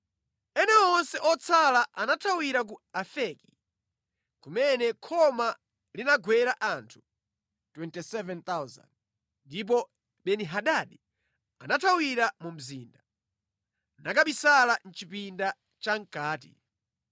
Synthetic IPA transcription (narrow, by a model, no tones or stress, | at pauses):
ɛnɛɔnsɛʔɔt͡sʰalaʔanatʰawiɾak̬uafɛki̥ | kumɛnɛkʰɔma | linaɡwɛɾaʔantʰu̥ | twɛntisɛvɛnt̪awza̰nd̚ | ndip̬ɔ | ɓɛniɦaɗaɗi | anatʰawiɾamum̩ziːnda | nakaɓisalan̩t͡ʃipinda | t͡ʃaŋ̩kaːtḭ